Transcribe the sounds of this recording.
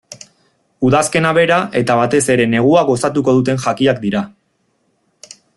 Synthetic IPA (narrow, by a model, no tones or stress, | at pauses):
uðaske̞naβ̞e̞ɾaʔe̞t̪aβ̞at̪e̞se̞ɾe̞ne̞ɣ̞uaɣo̞sat̪uko̞ðut̪e̞nʝakiak̚d̪iɾa